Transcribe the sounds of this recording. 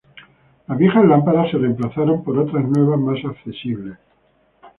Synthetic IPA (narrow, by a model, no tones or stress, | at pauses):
lazβje̞xazlampaɾase̞remplaθaɾo̞mpo̞ɾo̞t̪ɾaznwe̞β̞azmasakθe̞siβle̞s